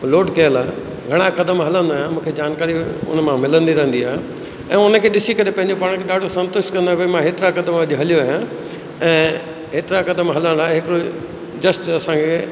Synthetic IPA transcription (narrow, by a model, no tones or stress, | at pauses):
loːɖkɐəlaːɦe | ɡʱɐɽ̃akɐd̪əmɦɐlə̃nd̪aːɦjãmũːkʰed͡ʑaːnkaːɾiʊ̰nmãmɪlə̃nd̪iɾɐɦə̃nd̪iaːɦe | ɛ̰̃ːʊnəkʰeːɗɪsikɐɾepɐ̃ɦɪ̃ɲd͡ʑopaːɽ̃kʰeɗaːɖʱosɐ̃nt̪ʊʃkɐ̃nd̪aʋɐmãɦeːt̪ɪɾakɐd̪əmɐʄɦɐlijoaːɦjã | ɛ̃ː | ɦeːt̪ɪɾakɐd̪əmɦɐlə̃ɽ̃d̪aːeɦɪkɪɾo | d͡ʑɐsʈɐsãkʰe